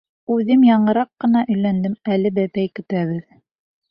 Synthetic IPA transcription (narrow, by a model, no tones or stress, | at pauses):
ʉðɘmjɑɴɤ̆ɾɑqːɤ̆n̪ɑʔɵ̆jlænd̪ɘmælɘbæpæjkɵ̆t̪æβɘð